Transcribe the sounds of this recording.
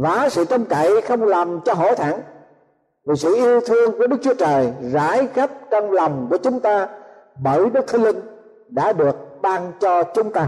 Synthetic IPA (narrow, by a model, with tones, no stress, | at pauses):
vaː˨˩sɨ̰˧˨t͡ɕə˧wŋ͡mka˧˨˩jxə˧wŋ͡mlaː˨˩mt͡ɕɔ˧ɦo̰˧˥t̪ʰaː˧˩˦n | vi˨˩sɨ̰˧˨ʔi˧əwt̪ʰɨ˧əŋku˨˧˩əɗɨ˦˥k̚t͡ɕwu˧˦ət͡ɕəː˨˩jza̰ː˧˥˦jɣa˦˥p̚t͡ɕɔ˧wŋ͡mla˨˩wŋ͡mku˧˩ət͡ɕʊ˨˦ŋ͡mt̪aː˧ | ɓəː˧˩jɗɨ˦˥k̚t̪ʰi˧lï˧ŋ̟ | ɗa̰ː˧˥ɗɨ˨˩ək̚ɓaː˧nt͡ɕɔ˧t͡ɕʊ˨˦ŋ͡mt̪aː˧j